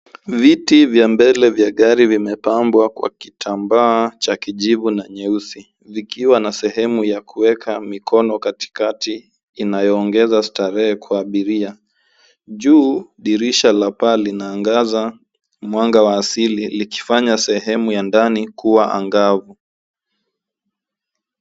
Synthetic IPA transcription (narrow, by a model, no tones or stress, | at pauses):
vitivjambɛlɛvjaɠaɾivimɛpambwakwa̰kitʰambaːt͡ʃakiʄivunaɲɛusi | vikiwanasɛɦɛmujakʰuwɛkʰamikʰɔnɔkati̥katiː | najɔːŋɡɛzastaɾɛɛkʰwaːɓiɾia | ʄuːɗiɾiʃalapalinaːŋɡaza | mwaŋɡawaːsililiki̥faɲasɛɦɛmujandanikuwaʔa̰ŋɡavu